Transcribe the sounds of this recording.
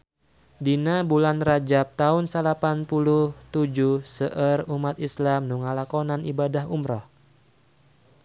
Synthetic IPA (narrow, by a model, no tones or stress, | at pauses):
dinabulanrad͡ʒap̚t̪aʊnsəlapanpuluht̪ud͡ʒuhsəʔərumat̪islamnuŋalakonanibadaɦumɾɔh